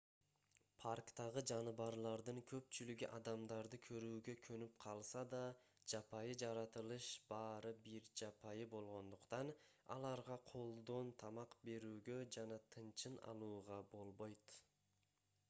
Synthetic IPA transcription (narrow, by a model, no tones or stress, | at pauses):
pʰarkt̪ɑʁɯd͡ʒɑnɯβɑɾlˠɑɾd̪ɯŋkʰø̞p̚t͡ʃylyɡyʔɑd̪ɑmd̪ɑɾd̪ɯkʰøɾyːɡø̞kʰønyp̚qʰɑlˠsɑd̪ɑ | d͡ʒɑpɑjɯd͡ʒɑɾɑt̪ɯlˠɯʃb̥ɑːɾɯbiɾd͡ʒɑpʰɑjɯbo̞lˠʁo̞nd̪uqt̪ɑnɑ̰lˠɑɾʁɑqʰo̞lˠd̪o̞nt̪ʰɑmɑqbe̞ɾyːɡød͡ʒɑnɑt̪ʰɯnt͡ʃɯnɑ̰lˠuːʁɑbo̞lˠbo̞jt̪